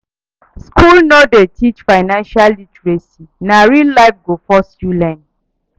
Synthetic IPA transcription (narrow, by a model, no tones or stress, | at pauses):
skʰulnɔdetʰit͡ʃfaɪnãnʃalːitɹesinaɹillaɪfɡofɔsjulɛ̃n